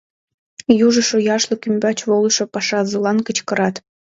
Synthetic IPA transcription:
juʒə̆ʃŏjɑʃlˠɤ̆kymʲbɑt͡ɕβolˠɤʃŏpɑʃɑzɤlˠɑnkə̆t͡ɕkə̆ɾɑt̪

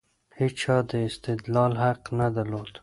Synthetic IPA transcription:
het͡ʃʰɑd̪əɪst̪ɪd̪lɑlɦaqnad̪alod̪

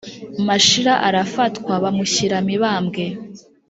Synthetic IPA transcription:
maʃiɾaʔaɾafatkwaβamuçiɾamiβaːmɡe

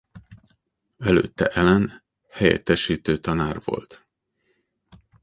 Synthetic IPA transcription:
ɛlø̰ːt̪ːɛ̰ʔɛlɛn | hɛjɛ̰t̪ːɛʃiːt̪øːt̪ɒnaːrvo̞̰lt̪

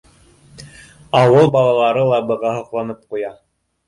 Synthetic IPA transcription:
ɑwɤlˠbɑlˠɑlˠɑɾɤlˠɑbɤ̆ʁɑhŏqlˠɑnɤp̚qujɑ

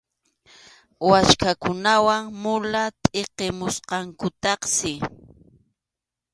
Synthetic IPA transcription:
wat͡ʃkakʊnawaŋmʊlat̪ʼeqemʊsqɑŋkʊt̪ɑχsɪ

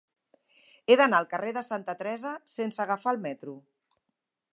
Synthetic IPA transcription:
eðənaəlˠkəreðəsant̪ət̪ɾɛzəsensəɣafaːlˠmɛt̪ɾu

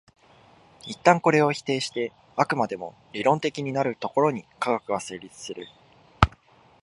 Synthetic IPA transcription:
it̪ːãŋko̞ɾe̞o̞çi̥t̪e̞ːɕi̥t̪e̞ | akɯ̟mad̪e̞mo̞̰ | ɾʲiɾõ̞nt̪e̞kʲiɲ̟inaɾɯ̟t̪o̞ko̞ɾo̞ɲ̟ikaɡakɯ̟βase̞ːɾʲit͡sɨ̥sɨɾɯ̟

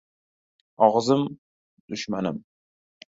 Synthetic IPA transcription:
ɑʁəzɨm | d̥uʃmanɨ̰m

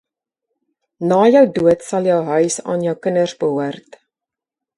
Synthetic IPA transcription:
nɑːjœwduətsɐlˠjœwɦœɥsɑ̰ːnjœwkənərsbəɦuərt

